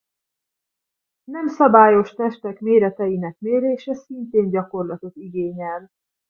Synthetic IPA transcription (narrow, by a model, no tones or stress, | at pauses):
nɛmsɒbaːjo̞ʃt̪ɛʃt̪ɛkmeːɾɛt̪ɛjinɛkmeːɾeːʃɛsint̪eːnɟɒko̞rlɒt̪o̞t̪iɡeːɲɛl